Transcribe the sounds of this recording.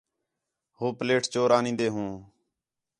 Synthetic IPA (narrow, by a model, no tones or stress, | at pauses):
hoːpleːʈt͡ʃoːɾaːnĩːnd̪eːɦũː